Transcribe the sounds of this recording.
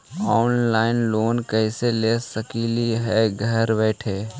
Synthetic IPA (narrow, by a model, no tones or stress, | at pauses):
ɔːnlaːɪnloːnkɛɪseleːsəkiːliɦɛɡʱəɾbɛːʈʰeː